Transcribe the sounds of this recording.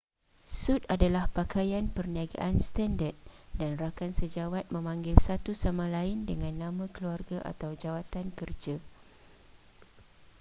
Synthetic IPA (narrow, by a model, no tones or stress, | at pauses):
sut̪̚adalahpakajanpərniaɡa̰ʔanst̪andat̪̚danrakansəd͡ʒawat̪̚mə̃mãŋɡɪlsat̪usamãlaɪndəŋãnːãmãkəluarɡaʔa̰t̪awd͡ʒawat̪ankərd͡ʒa